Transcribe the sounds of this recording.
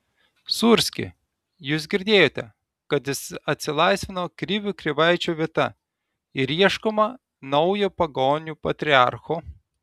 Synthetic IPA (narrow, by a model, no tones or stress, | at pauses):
suɾʲsʲkʲɪ̰ | juːsɡʲɪɾʲd̪ʲeːjoːt̪ʲɛ | kɐt̪jɪsɐt̪ʲsʲɪlˠɐɪsʲʋʲɪnoːkɾʲɪʋʲukɾʲɪʋɐɪt͡ʃʲuːʋʲiɛt̪ɐ | ɪɾiɛʃkoːmɐ | nɒʊjoːpɐɡoːnʲupɐt̪ʲɾʲɪɑ̰ˑɾxoː